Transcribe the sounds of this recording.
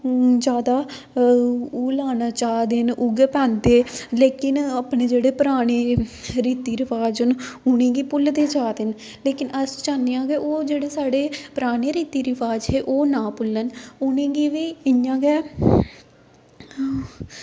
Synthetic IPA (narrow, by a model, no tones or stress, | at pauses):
d͡ʒjaːd̪aː | ulaːnaːt͡ʃaːd̪enʊɡepɛ̃ːnd̪eːleːkɪnapɳeːd͡ʒeːɽeːpəɾaːɽ̃eːɾiːt̪iːɾɪpʰaːd͡ʒənʊñẽːɡiːpʊld̪eːt͡ʃaːd̪en | leːkɪnəst͡ʃaːnejãːɡeːʔoːd͡ʒeːɽeːsaːɽeːpəɾaːɽ̃eːɾiːt̪iːɾɪpʰaːd͡ʒɦeːʔoːnãːpʊlːənʊnẽːɡiːʋiːɪjãːɡɛː